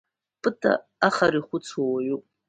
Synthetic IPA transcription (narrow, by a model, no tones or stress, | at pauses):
pʼɨtʰʼa̰ | aχaɾiχʷʊt͡sʰowaɥupʼ